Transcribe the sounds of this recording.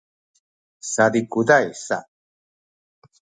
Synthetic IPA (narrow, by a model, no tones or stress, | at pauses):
sadikudajsa̰